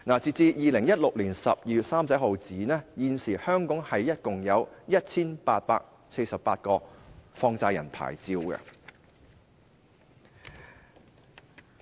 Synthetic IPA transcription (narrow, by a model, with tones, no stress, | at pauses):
naː˨˩t͡siː˨t͡siː˧jiː˨lɪ˨˩ŋjɐ˥t̚lʊ˨k̚liː˨˩nsɐ̰˨p̚jiː˧y˨t̚saː˥msɐ˨˥jɦo˨wt͡siː˨˥nɛː˥jiː˨nsiː˨˩hœː˥ŋkɔː˨˥ŋhɐ˨jːɐ˥t̚kʊ˨ŋjɐ˨˧wjɐ˥t̚t͡sʰiː˥npaː˧t̚pa̰ː˧k̚ | se˧jsɐ˨p̚paː˧t̚kɔː˧fɔː˧ŋt͡saː˧jɐ˨˩npʰa̰ː˨˩jt͡siː˧wkɛ̰˧